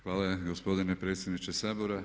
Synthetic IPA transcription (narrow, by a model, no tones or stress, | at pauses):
xʋaːlaɡospo̞d̪inepɾe̞ːt̪sʲjed̪nit͡ʃesaːboɾa